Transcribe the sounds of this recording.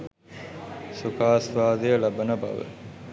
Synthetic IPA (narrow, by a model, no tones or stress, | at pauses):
sukaːsʋaːd̪ejəlɐbɐnɐbɐ̰ʋə̰